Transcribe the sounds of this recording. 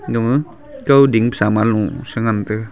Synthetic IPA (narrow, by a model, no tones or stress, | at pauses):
ɡəmɯ | kəwdiŋpə̥samalũsəŋantɯ